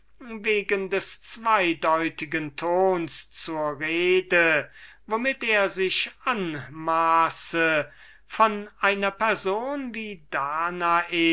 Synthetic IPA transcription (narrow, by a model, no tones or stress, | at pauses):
veːɡəndɛst͡sv̥aɪdɔʏtɪɡəntʰoːnst͡suːɐʁeːdə | vomɪteːɐzɪʃʔanmaːsə | fɔnʔaɪnɐpɛɐzoːnviːdaːnaʔeː